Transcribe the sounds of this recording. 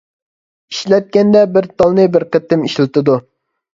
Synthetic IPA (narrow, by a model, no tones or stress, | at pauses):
iʃlɛt̪̚kʲɛnd̪ɛbɪɾt̪ɑlˠnɨbɪɾqət̪ːɪmiʃlt̪ʰɨd̪u